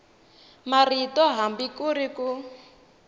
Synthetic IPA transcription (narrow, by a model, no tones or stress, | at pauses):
maritɔɦambikuɾiku